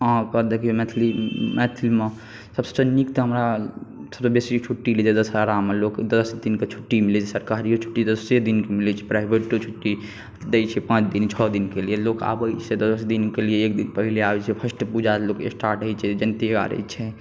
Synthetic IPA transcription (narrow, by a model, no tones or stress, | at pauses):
ə̃kəd̪ekʰemɛt̪ʰlimɛt̪ʰlime | səbse̥sənikt̪ɔɦəmɾasəbsebesiot͡ʃʰuʈːilid͡ʒed̪əsaɾamelokd̪əsd̪inket͡ʃʰu̥ʈːimilɛt͡ʃʰɛsəɾkaɾiot͡ʃʰu̥ʈːid̪əsed̪inkemilɛt͡ʃʰɛ̥pɾaibʱeʈkot͡ʃʰuʈːi | d̪et͡ʃʰɛpãːt͡ʃʰd̪int͡ʃʰɔd̪inkelijeloka̰bət͡ʃʰed̪əsd̪inkelijeːk̚d̪inpəɦileabɛt͡ʃʰɛpʰəsʈpud͡ʒalokesʈaːɾʈɦəjt͡ʃʰɛd͡ʒənt̪iɡa̰ɾə̰t͡ʃʰɛ